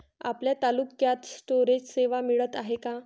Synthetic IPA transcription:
a̰pljat̪alukːjat̪sʈoɾed͡ʑseʋamiɭət̪aɦeka

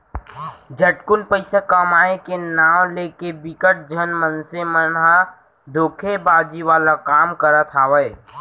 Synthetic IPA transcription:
d͡ʒəʈkʊnpəɪsekamaːẽkenaːwleːkebɪkəʈ̚d͡ʒʱənmənsemənɦa | d̪oːkʰebaːd͡ʒiʋaːlakaːmkəɾat̪ʰaʋəe

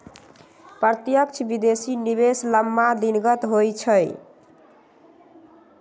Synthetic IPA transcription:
pət̪jəkt͡ʃʰbid̪esiniβesləmːad̪inɡət̪ɦojt͡ʃʰəj

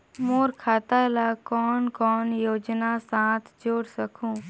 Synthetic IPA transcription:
moːɾkʰaːt̪aːlaːkɔːnkɔːnjoːd͡ʒnasãːt̪ʰd͡ʒoːɽsəkʰũː

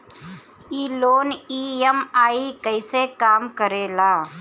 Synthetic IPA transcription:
iːloːniːəmaːikəɪsekaːmkəɾeːlaː

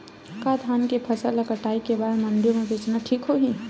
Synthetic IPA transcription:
kad̪ʱankepʰəsəlːəkəʈaikebad̪məɳɖijomebet͡ʃnaʈʰikɦoɦi

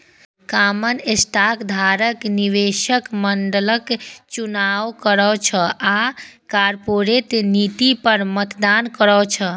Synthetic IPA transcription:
kamənesʈakd̪ʱaɾəkniʋeʃəkməɳɖələkt͡ʃunaʋkəɾət͡ʃʰəakaɾpoɾet̪nit̪ipəɾmət̪d̪ankəɾɔt͡ʃʰə

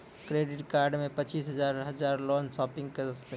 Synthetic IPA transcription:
kɾeːɖɪʈkaːɾɖmẽpət͡ʃiːsɦəzaːɾɦəd͡ʒaːɾloːnsɔːpɪ̃ŋɡkeɾəst̪e

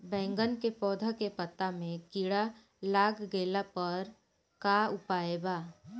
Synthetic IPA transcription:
bɛ̃ːŋɡənkepɔːd̪ʱakepət̪ːamẽkiɽa | laːɡɡeːlapəɾ | kaʊpaːebaː

